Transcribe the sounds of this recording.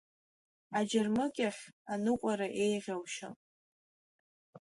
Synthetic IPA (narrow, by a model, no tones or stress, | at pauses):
ad͡ʒarmɨkʲʼaχʲanɨqʷʼaɾaʔe̞jʁʲawʃa̰